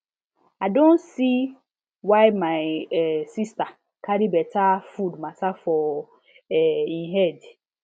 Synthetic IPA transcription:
aɪdõnsi | waɪmaɪsista | kʰaɾibɛtʰafudmatafɔ | ɛiɦɛd

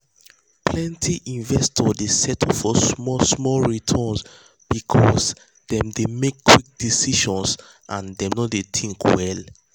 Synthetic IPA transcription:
pʰlɛ̃ntʰiʔĩnvɛstʰɔdesɛtʰɔfɔsmɔsmɔlɹitʰɔns | b̥ikʰɔs | dɛ̃mdemekːwik̚d̥isiʃɔ̃ns | ʔãndɛ̃mnɔtdeθʰĩŋkwɛl

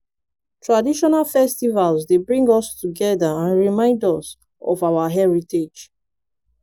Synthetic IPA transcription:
tʰɹadiʃɔnalfɛstivalzdebɹĩŋɡɔstʰuɡɛðaãnɹimãɪ̃ndɔs | ɔ̰vawaɦɛɹited͡ʒ

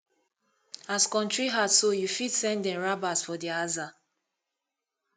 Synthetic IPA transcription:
askɔ̃nt͡ʃɹiɦadsojufitsɛ̃ndɛ̃ɹabasfɔdiaza

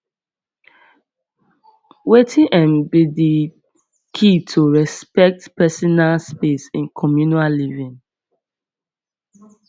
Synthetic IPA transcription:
wetʰĩʔɛ̃mbidi | kʰitʰuɹɛspɛk̚tpɛsɔnalspesĩnkʰɔmjunallivĩŋ

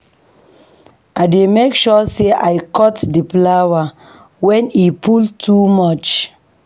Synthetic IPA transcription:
ʔaɪdemekʃɔseʔajkɔtdiplawa | wɛ̃nipʰultʰumɔt͡ʃ

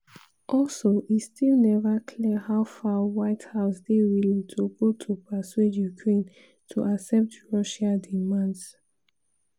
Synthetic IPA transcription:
ʔɔlsoʔistilnɛvakʰliəhaʊfawaɪthaʊsdewilĩtʰuɡotʰupʰaswedjukʰɹẽn | tʰuʔasɛp̚tɹɔʃadimãnds

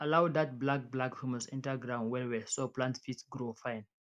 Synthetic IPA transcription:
alawd̪at̚blak̚blakhumasḭ̃ntaɡɹãnwɛwɛsoplãntfitsɡɾofãjn

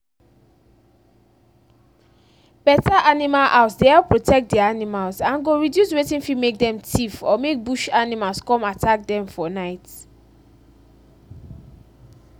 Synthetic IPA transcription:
b̥ɛtaʔanimalʔaʊsdeɛlpɹotʰɛk̚t̚dɛaanimalsãnɡoɹidjuswetĩnfimek̚dɛ̃mtʰifɔmek̚buʃanimalskɔ̃matʰak̚dɛ̃mfɔnaɪt

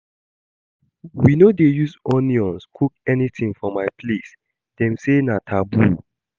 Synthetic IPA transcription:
winodejuzɔniɔ̃nskʰuk̚ɛnitĩŋfɔmaɪpʰles | d̥ɛ̃msenatʰabu

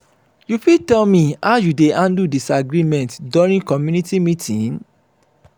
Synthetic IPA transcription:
jufitɛlmĩaʊjudeãndudisaɡɾimɛ̃ntdɔɹĩnkɔmjũnitimitʰĩn

